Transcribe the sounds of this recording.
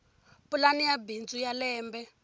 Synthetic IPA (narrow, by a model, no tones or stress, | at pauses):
pulanijabind͡zujalɛːmbɛ